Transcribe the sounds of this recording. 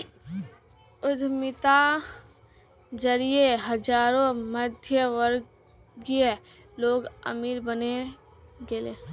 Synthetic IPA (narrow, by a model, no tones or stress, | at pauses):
ʊd̪ʱmɪt̪a | d͡ʒəɾieɦəd͡ʒaːɾõməd̪ʱjəʋəɾ | ɡə | loːɡə̰miːɾbəne | ɡeːleː